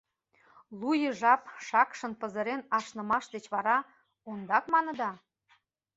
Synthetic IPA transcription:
lˠujə̆ʒɑpʃɑkʃə̆npə̆zə̆ɾenɑʃnə̆mɑʃd̪et͡ɕβɑɾɑ | ond̪ɑkmɑnɤ̆d̪ɑ

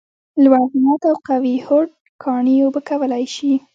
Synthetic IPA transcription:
lwaznat̪awqawihoɽ | kʰɑɳijobəkawəlajʃi

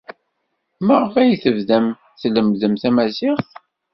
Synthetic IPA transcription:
məʁəfæjθəvðæm | θləmðəmθæmæzɪχθ

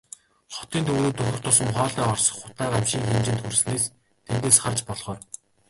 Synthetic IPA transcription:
χɔ̥t̪iːnt̪uuːt̪ɵxʲɪ̆kt̪ʰʊsə̆mχɔːɮiːɔrsɞ̥̆χːʊ̥t̪aːɾamʃiːŋxemt͡ɕɪ̆nt̪xursɘ̆neːs | t̪ʰent̪eːsχart͡ɕpɔɮʁɔːr

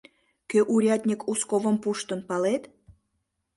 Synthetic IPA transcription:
køʔuɾʲɑt̪ʲnʲikʰuskoβəmpuʃt̪ə̆npɑlet̪

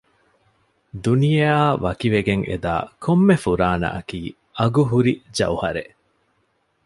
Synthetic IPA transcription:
d̪unijaːʋɐkiʋeɡeŋʔḛd̪a̰ːkʰomːefuɾaːnɐ̰ʔɐkiː | ɐɡuɦuɾid͡ʒɐ̰uhɐɾeʔ

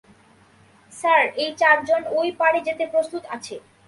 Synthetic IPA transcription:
saɾejt͡ɕaɾd͡ʑonojpaɽed͡ʑet̪epɾost̪ut̪at͡ɕʰe

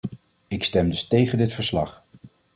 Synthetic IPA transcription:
ɪkstɛmdɵstejχəndɪtfəɹslɑ̰χ

